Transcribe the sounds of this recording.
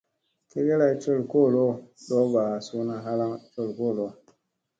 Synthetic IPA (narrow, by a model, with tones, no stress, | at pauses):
ke˦ɡe˦la˦i˦t͡ʃo˦˨lko˦˨lo˦ɗo˦ba˨su˦na˦ɦa˦la˦ŋt͡ʃo˦˨lko˦˨lo˦